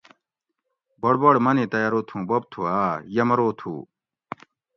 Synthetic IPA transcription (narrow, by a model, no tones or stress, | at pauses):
bɐɽbɐɽmɐnĩːt̪ɐjaɾoːt̪ʰũːbob̚t̪ʰuaːjɐmɐɾoːt̪ʰṵː